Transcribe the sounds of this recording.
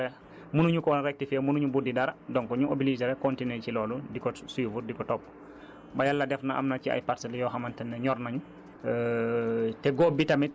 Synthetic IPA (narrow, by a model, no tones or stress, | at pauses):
ɛ | munuɲukɔnɾɛk̚tifɛmunuɲubudidɐɾɐdɔŋkɔɲuʔo̰bilizɛɾɛkɔntinecilɔːludikɔsiːfuɾdikɔtɔpː | bɐjalːɐdɛfnaʔa̰mnɐciɐ̰jpaɾsɛljɔxamantɐnːɛɲɔɾnɐɲu | tɛɡɔːbitɐmit̚